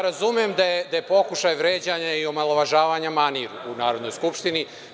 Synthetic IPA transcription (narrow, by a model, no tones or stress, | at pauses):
ɾazumijemd̪ajed̪aje̞po̞kuʃajʋɾeːd͡ʑaɲaio̞malˠoʋaʒaːʋaɲamaniɾuunaːɾo̞d̪no̞jskupʃt̪ini